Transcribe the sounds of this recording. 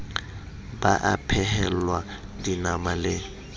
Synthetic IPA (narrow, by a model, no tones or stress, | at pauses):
baʔapʰɛɦɛlwa | dinamalɪ